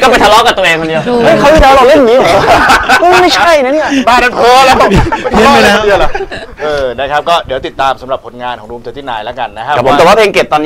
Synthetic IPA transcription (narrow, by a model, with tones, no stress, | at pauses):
kɔː˥˩pa˧jt̪ʰa˧˥lɔ˦˥ka˨˩t̪ʔeː˧ŋkʰo˧ndi˧wa˦˥˩a˦˥w̪ʰi˥˩aː˧˥wlɔː˨˩le˥˩nniː˦˥ɔ˨˩˧ma˥˩jt͡ɕʰa˥˩jna˦˥ni˥˩˨baː˧˩na˧t̪ʰɤː˧laː˦˥˧t̪ʰlɔː˥˧˦ko˧di˧wla˨˩ʔɤː˧na˧˥˩kʰa˦˥p̚kɔː˥˩di˨˩˦t̪i˨˩t̪ːaː˧msa˨˩˦mɾa˨˩p̚kʰo˨˧˦nŋaː˧nkʰɔː˩˦ŋɾuː˧mt͡ɕ̪e˧t̪ʰiː˥˩na̰ː˨˦jlɛ˦˥ka˧nːa˦˥kʰa˦˩˨pʰo˩˦˥kɔ˨˩waː˥˩pʰːe˧ŋke˨˩p̚t̪ɔː˧nː˦